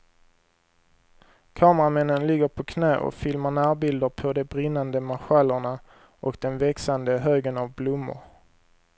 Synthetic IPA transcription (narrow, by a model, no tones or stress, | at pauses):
kʰɑːməɾamɛnːənlɪɡːəɾpʰɔkʰnɛ̰ːʔɔ̰kfɪlmaɾɳæːɾbɪld̪əɾpʰɔd̪ɛbɾɪnːand̪əmaɧalːəɳa | ʔɔkd̪ɛnvɛksand̪əɦøːɡənavblʊmːʊ̰ɾ